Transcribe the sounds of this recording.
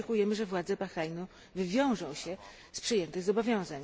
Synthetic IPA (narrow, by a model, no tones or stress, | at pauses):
ɛkujɛmɘʐɛvwad̪zɛpaxɾajnɔ | vɘvʲjɔ̃w̃ʐɔ̃w̃ɕɛ | spʂɘjɛnt̪ɘɣzɔbɔvʲjɔ̃w̃zaɲ